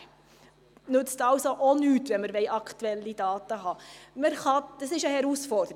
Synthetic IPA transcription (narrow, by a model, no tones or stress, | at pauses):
nʉt͡stɑlsoʔonyːtʋɛnməɾʋɛɪʔɑkt̪uɛlːidɑːt̪əɦɑməɾχɑd̪̥ɑsɪʃəhɛɾusfɔɾdəɾ